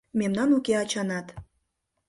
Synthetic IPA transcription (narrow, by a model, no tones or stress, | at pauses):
memnɑnukeɑt͡ɕɑnɑt̪